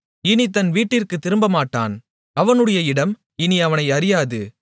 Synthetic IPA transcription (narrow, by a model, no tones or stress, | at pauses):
ɪnit̪ɐnʋiːʈːɪrkɯt̪ːɪɾɯmbɐmaːʈːa̰ːn | ɐʋɐnɯɽɐjɐɪɽɐm | ɪniɐʋɐnɐɪɐɾɪjaːðɯ